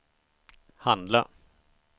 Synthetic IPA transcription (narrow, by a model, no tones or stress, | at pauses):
hand̪la̰